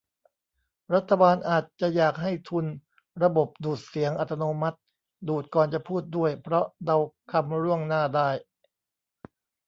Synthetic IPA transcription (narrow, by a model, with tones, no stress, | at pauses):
ɾa˦˥t̪ʰːa˧baː˧nʔaː˨˩t̪̚t͡ɕa˨˩ʔjaː˨˩k̚ɦa˥˩jt̪ʰu˧n | ɾa˧bo˨˩p̚duː˨˩t̪̚si˩˦əŋʔa˨˩t̪ʰːa˧noː˧ma˦˥t̪̚ | duː˨˩t̪̚kɔː˨˩nt͡ɕa˨˩pʰuː˥˩t̪̚du˥˩əjpʰɾɔ˦˥ʔda˧wkʰa˧mɾu˥˩əŋnaː˥˩daː˥˩j